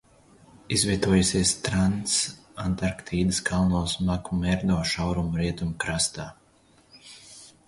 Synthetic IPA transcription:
izvʲiɛt̪uɔjusʲiɛst̪ɾansant̪aɾkt̪ʰiːd̪ɨskʰalˠnɔːsmakumɛɾd̪ɔːʃawɾumɾiɛt̪umkɾast̪aː

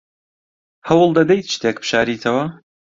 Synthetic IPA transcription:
hɐwʊlˠd̪ɐd̪ɐjt̪̚t͡ʃɨ̥t̪ʰeːkpʰɨ̥ʃaːɾiːt̪ʰɐwɐ

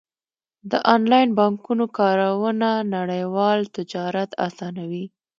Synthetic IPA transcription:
d̪əʔɑnlɑjnbɑŋkunokɑɾawənanaɽəjwɑlt̪ɪd͡ʒɑɾat̪a̰sɑnawi

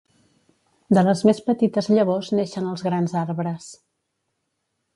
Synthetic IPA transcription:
d̪ələzmespət̪it̪əzʎəβozneʃənəlˠzɣɾanzaɾβɾəs

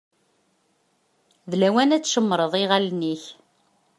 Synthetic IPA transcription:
ðlæwænæt͡sːʃəmːɾˤəðˤiʁalniç

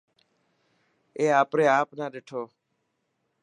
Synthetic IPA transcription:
eːaːpɾeːaːpnaːɗeːʈʰoː

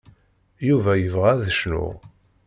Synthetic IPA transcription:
juvæjəvʁæðəʃnʊ̰ʁ

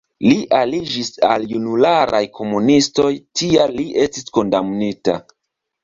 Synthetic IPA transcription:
liʔalid͡ʒisa̰ljunulaɾʔa̰jkʰo̞munisto̞jtialːiʔe̞stisko̞ndamnita̰

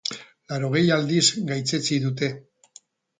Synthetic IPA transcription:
laɾo̞ɣ̞e̞jald̪izɡajt͡set͡siðut̪e̞

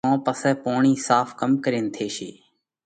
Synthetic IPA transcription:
õːpəsɛːpoːɳĩːsaːfʰkəmkəɾẽːnt̪ʰeːʃḭː

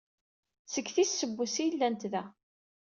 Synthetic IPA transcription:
səɡθissːəbːusijlːænt̪ðæ

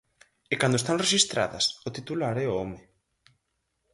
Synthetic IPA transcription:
ekand̪oest̪aŋreʃist̪ɾa̰ðɐ̰sʊt̪it̪ulaɾɛoɔmɪ

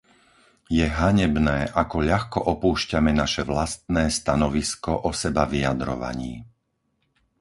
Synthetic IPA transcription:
jɛɦaɲɛbnɛːʔakɔʎaxkɔʔɔpuːʃcamɛnaʃɛʋlast̪̚nɛːst̪anɔʋiskɔʔɔsɛbaʋiad̪ɾɔ̰ʋa̰ɲḭː

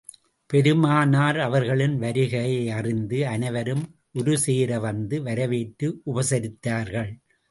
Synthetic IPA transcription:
pɛɾɯmaːnaːɾɐʋɐɾɣɐɭɪnʋɐɾɪɣɐjɐɐrɪnd̪ɯɐnɐɪʋɐɾɯm | ʔʊɾɯseːɾɐʋɐnd̪ɯʋɐɾɐʋeːʈːɯʔʊbɐsɐɾɪt̪ːaːɾɣɐɭ

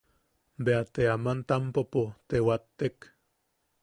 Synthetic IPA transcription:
beat̪eamant̪ampopot̪ewat̪ːek

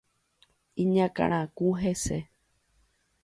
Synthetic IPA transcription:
ĩɲãkã̰ɾ̃ãkuɦese

